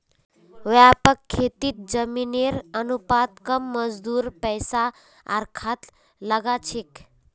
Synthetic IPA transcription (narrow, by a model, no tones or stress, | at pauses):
ʋjapəkʰːet̪it̪̚d͡ʒəmineɾənupat̪̚kəmːəd͡zd̪uːɾpəjsa | a̰ɾkʰat̪ | ləɡat͡ʃʰek